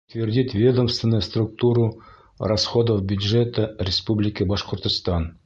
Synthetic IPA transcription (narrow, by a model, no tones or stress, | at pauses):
t̪vʲɪrʲdʲit̪vʲe̞d̪əmst̪vʲɪnːəjst̪rʊk̚t̪uɾu | rɐsχod̪əfbʲjʊd̪ʒet̪ərʲɪspublʲɪkəbɑʃqŏɾt̪ŏst̪ɑn